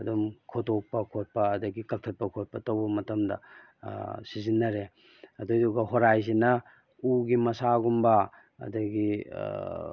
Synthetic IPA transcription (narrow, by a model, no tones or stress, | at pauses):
ɐdumkʰotok̚pɐkʰot̚pɐːdɐɡikɐk̚tʰɐt̚pɐkʰot̚pɐtɐwbɐmɐtɐmdɐ̰ | sizinːɐɾe | ɐdujduɡɐɦoɾajzinɐ | uɡimɐsaɡumbɐ | ɐ̰dɐɡḭ